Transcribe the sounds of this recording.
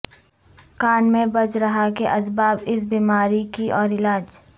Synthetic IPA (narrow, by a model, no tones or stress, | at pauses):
kaːnmẽbɐt͡ʃɾɐɦakeʔɐsbaːbɪs̬biːmaːɾikiʔɔːɾɪlaːd͡ʒ